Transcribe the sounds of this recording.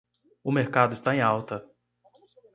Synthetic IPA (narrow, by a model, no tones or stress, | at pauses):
ʊmeɾkad̪ʊɪst̪aẽj̃awt̪ɐ